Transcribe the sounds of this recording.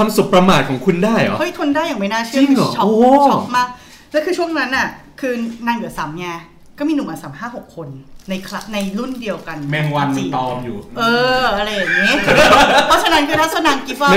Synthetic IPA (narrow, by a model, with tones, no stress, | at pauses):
waː˧msu˨˩k̚pɾa˧maː˨˩t̪̚kʰɔː˩˦ŋkʰu˧ndaː˥˩jʔɔ̰˦ʔjt̪ʰo˧ndaː˥˩ja˨˩ma˥˩jnaː˥˩t͡ɕʰɯ˥˩˨ŋ˨˩t͡ɕʰɔ˦oː˧t͡ɕɔ˦˥p̚maː˥˩k̚ | lɛ˦˥kʰɯː˧t͡ɕʰu˥˩əŋna˦˥nʔa˥˩ | kʰɯː˧naː˧nɡɯ˨˩˦ɐsaː˩˦mjaː˧ | kɔ˥˩miː˧nɯ˨˩ŋmaː˨˩saː˩˦mɦaː˥˩ɦo˨˩kʰːo˧nːa˧jkʰla˦˧˥na˧jlu˥˩ndi˧əwka˧nmɛ˧ŋwa˦˧nsiː˨˩ɔː˧mjuː˨˩ʔɤː˧ʔa˧ɾa˧jːaː˨˩ŋjŋːi˦˥pʰɔ˦˥t͡ɕʰa˧na˦˥nkʰɯː˧tʰaː˥˩sa˧naː˧ŋki˦˥p̚a˥˧˥